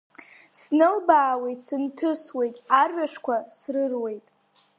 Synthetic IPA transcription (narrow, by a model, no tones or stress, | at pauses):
snɨlbaːwe̞jtʼsɨntʰɨswe̞jtʼarɥaʂkʷʰasrɨrwe̞jtʼ